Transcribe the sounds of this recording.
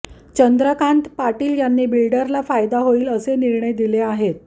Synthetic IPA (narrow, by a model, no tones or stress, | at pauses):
t͡ɕənd̪ɾəkant̪paʈiːljanːiːbilɖəɾlafajd̪aɦoiːləseniɾɳ̃əjd̪ileaɦet̪̚